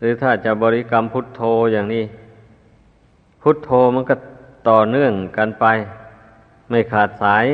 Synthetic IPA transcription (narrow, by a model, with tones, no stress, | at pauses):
ɾɯː˨˦t̪ʰaː˧˩t͡ɕa˧˩bɔː˧li˧˥˨ka˧˥˨mpʰu˧˥˩t̪ʰːoː˧jaː˨˩ŋniː˧˩˨ | pʰu˧˥t̪ʰːoː˧ma˧˥˨nka˧˩t̪ɔː˨˩nɯ˧˩˨əŋka˧˨npa˧j | ma˥˩jkʰaː˨˩t̪̚saː˨˦j